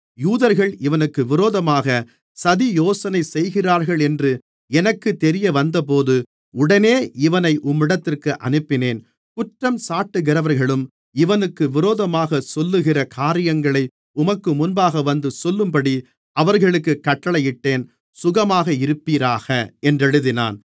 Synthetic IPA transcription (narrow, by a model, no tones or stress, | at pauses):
juːðɐɾɣɐɭɪʋɐnɯkːɯʋɪɾoːðɐmaːɣɐ | sɐðijoːsɐnɐɪsɛjɣɪraːɾɣɐɭɛndrɯ | ɛnɐkːɯt̪ːɛɾɪjɐʋɐnd̪ɐp̬oːðɯ | ʊɽɐneːʔɪʋɐnɐɪʔʊmːɪɽɐt̪ːɪrkɯʔɐ̰nɯpːɪneːn | kʊʈrɐmsaːʈːɯɣɪɾɐʋɐɾɣɐɭɯm | ɪʋɐnɯkːɯʋɪɾoːðɐmaːɣɐsɔlːɯɣɪrɐkʰaːɾɪjɐŋɡɐɭɐɪ | ʊmɐkːɯmʊnbaːɣɐʋɐnd̪ɯsɔlːɯmpɐɽi | ɐʋɐɾɣɐɭɯkːɯkːɐʈːɐɭɐjɪʈːeːn | sʊɣɐmaːɣɐɪɾɯpːiːɾaːɣɐɛndrɛɻɯðɪna̰ːn